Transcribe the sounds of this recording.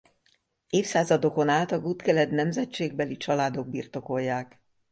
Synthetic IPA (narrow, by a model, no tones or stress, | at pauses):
eːfsaːzɒd̪o̞konaːlt̪ɒɡuːt̪kɛlɛd̪nɛmzɛt͡ʃeːɡ̚bɛlit͡ʃɒlaːd̪o̞ɡ̚bḭːrt̪o̞ko̞jːaːk